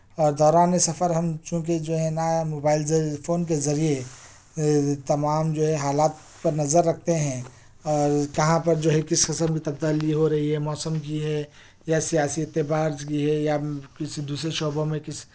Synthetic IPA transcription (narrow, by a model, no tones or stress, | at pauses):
ɔːɾd̪ɔːɾaːnesɐfʰəɾɦɐmt͡ʃũːk̬id͡ʒoːɦɛ̃namoːbaːɪlzpʰoːnk̬ezɐɾie | t̪ɐmaːmd͡ʒoːɦɛɦaːlaːt̪ | pɐɾnɐzəɾːɐk̚ʰt̪eɦɛ̃ | ɔːɾkɐɦãpɐɾd͡ʒoːɦɛ̃kɪsqɪsəmkit̪ɐb̚d̪aːliɦoɾɐɦiɦɛmɔːsəmkiɦɛ | jasijaːsiɪt̪ːebaːɾd͡ʒkiɦɛjakɪsid̪uːsɾeʃoːbõmẽkɪs